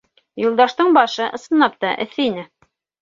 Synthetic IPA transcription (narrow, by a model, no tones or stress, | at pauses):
julˠd̪ɑʃt̪ɤɴbɑʃɤʔɤ̆sɤ̆nːɑp̚t̪ɑʔɘ̰̆θːɘinɘ